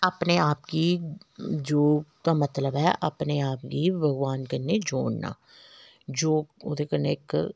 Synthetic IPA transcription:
əpneːaːpkiː | d͡ʒoːt̪aːmət̪ləbɛʔəpneaːp̚kiːbəɡʋaːnkəɾned͡ʒoːɳna̰ː | d͡ʒoːod̪ekəneɪk

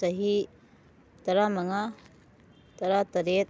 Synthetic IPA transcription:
sɐɦi | t̪ɐɾamɐŋa | t̪ɐɾat̪ɐɾet̪̚

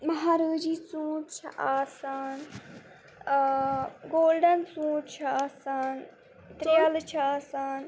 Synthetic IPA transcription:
mɐɦaːɾəːd͡ʒiːt͡sũːʈt͡ʃʰɐ̰ʔaːsaːn | ɡoːlɖɐnt͡sũːʈt͡ʃʰɐaːsaːn | t̪ɾijɐlt͡ʃʰɐaːsaːn

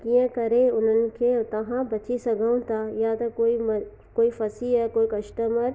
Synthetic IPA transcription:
kiẽkɐɾeʊn̤ənɪ̆kʰet̪ɐɦãbɐt͡ʃʰisɐɡʱaũt̪ʰajat̪ɐkoːim | koːifɐsiɦɛkoːikɐʃʈəməɾ

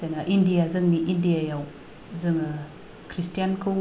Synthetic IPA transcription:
senaʔindijazəŋniʔindijajaw | zəŋ | kɾistianku

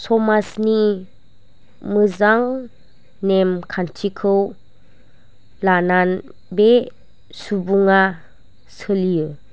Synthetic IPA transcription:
sɔmasni | mɯzaŋ | nemkʰantʰikʰɯw | lanan | be | subuŋa | sɯliɯ

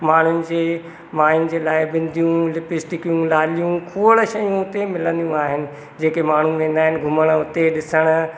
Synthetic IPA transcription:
maːɳ̤ʊnɪ̆d͡ʑeː | maːɪn̆d͡ʑeːlaːɪbɪ̃nd̪ʱijũlɪpɪsʈɪkijũlaːlijũkʰoːɽ̆ʃɐjũʊt̪emɪlə̃nd̪ijũaːɦɪnɪ̆ | d͡ʑeːkemaːɳ̤ũʋẽːnd̪aːɦɪnɪ̆ɡʱʊməɽ̃ʊt̪eɗɪsəɽ̃ʊ̆

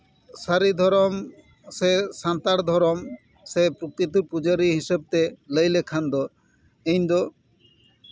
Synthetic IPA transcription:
saɾid̪ʱɔɾɔm | sesãnt̪aɾd̪ʱɔɾɔm | sepɾokɾit̪̬ipud͡ʑaɾiɦiʃeb̚t̪eləjlekʰand̪o | ẽjnd̪o

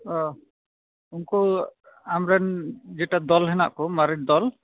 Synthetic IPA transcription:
ɔ | unkɔ | amɾɛnd͡ʒɛʈad̪ɔlɦɛna̰ʔkɔmaɾid̪ɔl

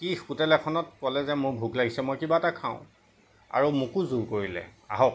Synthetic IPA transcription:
kixutɛlɛkʰɔnɔt̚kɔlɛzɛmʊɹbʱuɡlaɡisɛmɔjkibaɛtakʰa̰ʊ̃ | a̰ɹumukuzuɹkoɹilɛ̰a̰ɦɔk̚

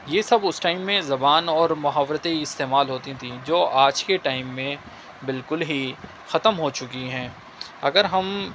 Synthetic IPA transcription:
jeːsɐbʊsʈaːɪmːẽzɐbaːnɔːɾmʊɦaːʋɾət̪eɪst̪eːmaːlɦoːt̪it̪ʰĩd͡ʒoːaːd͡ʒkeʈaːɪmːẽ | bɪlkʊlɦi | xɐt̪əmɦot͡ʃʊkiɦɛ̃ː | ɐɡəɾɦɐm

